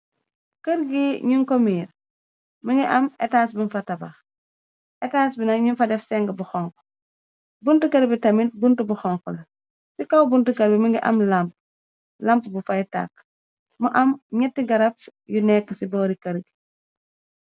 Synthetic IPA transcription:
kɐɾɡiɲuŋkɔmiːɾ | məŋɡiʔɐmɛ̰taːs̬binfɐtɐbɐx | ʔɛtaːsbinɐɲunfɐdɛfsɛŋɡəbuxɔŋkɔ̥ | buntukɐɾbitɐminbuntubuxɔŋkɔlɐ | sikɐwbuntukɐɾbiməŋɡiʔɐ̰mlɐmp | lɐmpbufɐjta̰k̚ː | muʔɐmɲɛtːiɡɐɾɐfjunɛkːəsibɔːɾikɐɾɡi

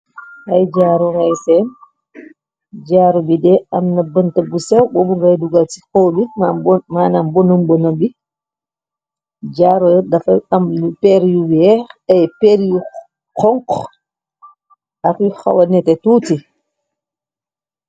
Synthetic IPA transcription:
hajd͡ʒaːɾɔŋajsɛn | d͡ʒaɾɔbidɛamnabəntabusɛwbɔbuŋɡajduɡati̥kɔwbimanambɔnambɔnambi | d͡ʒaːɾɔjɛdafaamlupɛɾjuwɛɾɛpɛɾju | kɔŋk | akixa̰wanɛtɛtuːti

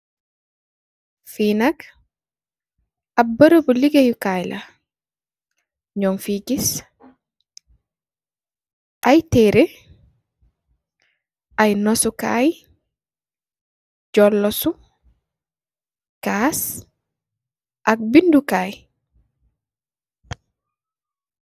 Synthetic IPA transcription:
fiːnak | abəɾəbuliɡejukajla̰ | ɲɔmfiɡis | ʔajteɾe | ʔajnɔsuka̰j | ɟɔlːɔsu | kas | ʔɐk̚bindukaːj

